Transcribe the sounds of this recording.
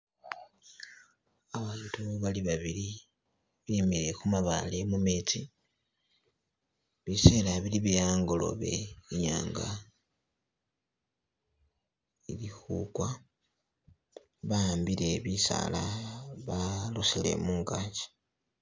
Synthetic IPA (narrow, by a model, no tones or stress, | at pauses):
aβaːntuβaliβaβiɾi | βimiɾe̞kumaβa̰lemumeti | βise̞ːlaβiliβejaːŋɡo̞lo̞̰βe̞̰iɲa̰ːŋɡa | ilixṵkwa | βaambile̞βisa̰laβalusile̞̰muːŋɡaːɲɟḁ